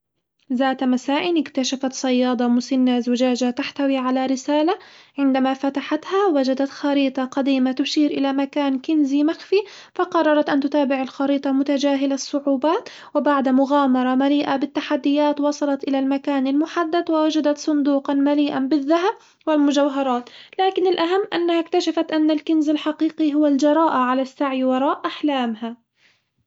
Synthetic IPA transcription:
zaːt̪masaːʔɪnɪkt̪aʃafat̪sˤɑjːɑːd̪ˤɑmʊsɪnːazʊd͡ʒaːd͡ʒat̪aħt̪awiːʕalaɾɪsaːlaʕɪnd̪amafat̪aħat̪hawad͡ʒad̪at̪xɑɾiːt̪ˤɑqad̪iːmat̪ʊʃiːɾʔɪlamakaːnkɪnzimaxfi | fɑqɑrˤːɑɾˤɑt̪ʔant̪ʊt̪aːbɪʕalxɑɾiːt̪ˤɑmʊt̪ad͡ʒaːɦɪlasˤːʊʕuːbaːt̪ | wɪbaʕd̪mʊɣaːmɑɾˤɑmaliːʔabɪt̪ːaħad̪ːɪjaːt̪wɑsˤɑlɑt̪ʔɪlalmakaːnalmʊħad̪ːad̪wɪwad͡ʒad̪at̪sˤʊnd̪uːqɑnmaliːʔanbɪðːaɦab̚ | wɪlmʊd͡ʒawɦɑɾˤɑːt̪laːkɪnɪlʔaɦamːʔanːahakt̪aʃafat̪ʔanːalkɪnzalħɑqiːqiɦʊwald͡ʒɑɾˤɑːʔaʕalasːaʕjwɑɾˤɑːʔʔaħlaːmha

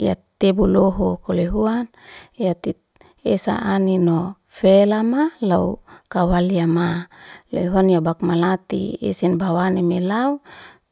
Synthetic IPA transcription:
ja̰t̪ebuloɦokoleɦuan | jat̪i | esa̰ʔanino | felamalaukawaliamaleɦuanjabakmalat̪ḭḛsinbawanemelau

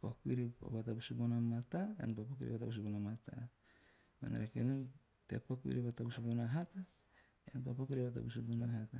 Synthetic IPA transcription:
pokuiɾio̰batabusubonamataḛnpapokiɾḭbatabus̬ubonamata̰ | ma̰neɾakenu | tḛpokuḭɾiβatabusubonaɦata | enpapokiɾioβata̰busubonaɦata

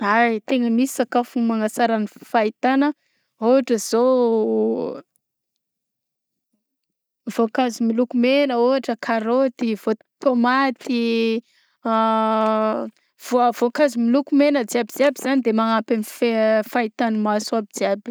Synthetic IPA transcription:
ajt̪eŋəmisi̥sakafumaŋasaɾanifait̪anə | oɦaʈ͡ʂəz̥o | vokazimilukumenəuaʈ͡ʂəkʰaɾot̪iv̥ot̪t̪omat̪i | vovokazimilukumenəd͡ziabiziabiz̥anid̪emaŋapanifefait̪anəmasuabid͡ziabi̥

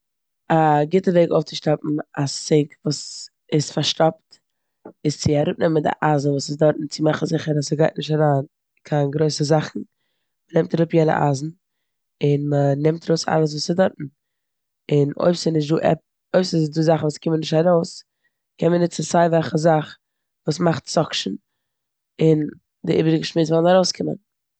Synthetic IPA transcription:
aɡɪtəveɪɡo̰ʊft͡sɪʃtap̚m̩aseɪkvuːs | ɪsfaɾʃtɔp̚t | ɪst͡sɪaɾʊp̚nɛməndɪ̰ʔazn̩vuːsɪsdɔɾtn̩t͡sɪmaχn̩zɪχəɾasəɡaɪt̚nɪʃtaɾaːn | kʰaɪnɡɾoɪsəzaχn̩ | mənɪmtaɾʊpjɛnə̰ʔa̰zn̩ | ɪnmənɪmtaɾoʊsa̰lˠəs̬vuːsɪdɔɾtn̩ | ɪno̰ɪbsɪnɪʃ̬tduːʔɛ̰p̚ | oɪbsɪzduzaχn̩vuːskɪmənɪʃtaɾoʊs | kʰɛnmənɪʃt͡ssaɪvɛlˠχəzaχ | vuːsmaχtt͡sɔkʃn̩ | ɪn | dɪʔḭːbɾɪɡəʃmɪt͡svɔlˠnaɾoʊskʰɪmə̰n

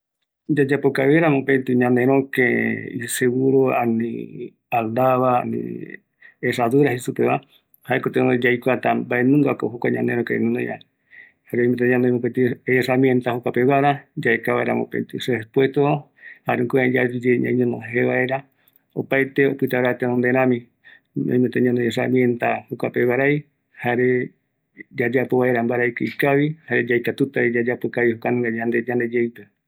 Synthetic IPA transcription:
d͡ʒad͡ʒapokaβeɾamõpent̪iɲãnd̪eɾ̃õkeḭseɣuɾoa̰nĩ | ald̪aβaa̰nḭ | eʂaðuɾahesupeβa | haekot̪eod͡ʒajkʷat̪abaenũŋɡakoɦokʷaɲã̰nd̪ẽɾõkḛnĩnoja̰ | haɾeomĩɲanoemõket̪ieramjent̪ahokʷapeβaɾad͡ʒaekaβa̰eɾa̰mõ̰pḛnt̪isespwest̪o | haɾeukuẽd͡ʒaud͡ʒeɲã̰ɲõnõ̰ɦeβae̞ɾa | opajt̪eo̰pɨt̪aɾat̪enond̪e̞ɾ̃ãmĩ | õ̰ĩmet̪eɲãnoes̬a̰mient̪ahokʷapeβaɾaj | haɾe̞ | d͡ʒad͡ʒapoβaeɾambaɾajkɨikaβihaɾed͡ʒajkat̪ut̪aid͡ʒad͡ʒapokaβihokanũŋɡad͡ʒand̪ed͡ʒãnd̪e̞d͡ʒejpe

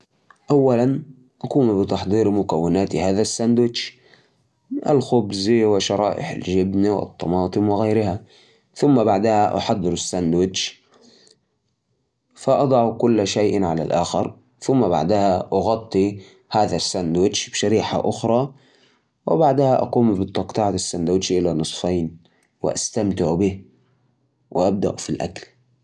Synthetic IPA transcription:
ʔawːalan | ʔakuːmbɪt̪ɑħd̪ˤiːɾmʊkawːɪnaːt̪ihaːðasːand̪wɪt͡ʃ | ʔa̰lxʊbzwɪʃɑɾˤɑːʔɪ̰ħa̰lʒɪbniwɪ̰t̪ˤːɑmɑːt̪ˤɨmwɪɣajɾɪha | θʊmːabaʕd̪ahaʔɑ̰ħɑd̪ˤːɨɾɪsːand̪wɪd͡ʒ | faʔɑd̪ˤɑʕukʊlːʃajʔnʕala̰lʔaːxɪɾ | θʊmːaba̰ʕd̪ahaʔɑɣɑt̪ˤːi | haːðasːand̪wɪt͡ʃbʃaɾiːħa̰ʔʊxɾˤɑ | wɪbaʕd̪ahaʔɑ̰quːmbɪt̪ˤːɑqt̪ˤɑʕat̪asːand̪wɪt͡ʃʔɪlanɨsˤfaːn | wɪ̰ʔa̰st̪amt̪ɪʕubɪ | wɪʔab̚d̪a̰ʔfilʔa̰kl

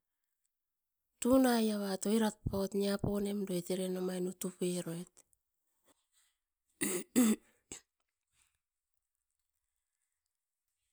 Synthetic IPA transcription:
tunajaβato̞iɾat̚paotniapone̞mdoeteɾe̞nomajnutupeɾoet

